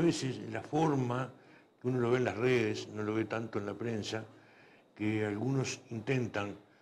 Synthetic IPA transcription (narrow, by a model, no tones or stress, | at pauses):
βeseslafo̞ɾma | keuno̞lo̞βeːnlasreðesno̞lo̞βet̪ant̪oenlapɾe̞nsa | kealɣuno̞sint̪e̞nt̪aŋ